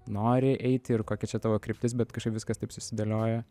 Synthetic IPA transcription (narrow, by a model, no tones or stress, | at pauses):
noːɾʲɪʔɛɪt̪ʲɪrkoːkʲɛt͡ʃʲɛt̪ɑːʋoːkɾʲɪp̚ʲt̪ʲɪs̬bʲɛt̪kɐʃkɐɪpʋʲɪskɐst̪ɐɪpsʊsʲɪd̪ɐlʲoːjɛ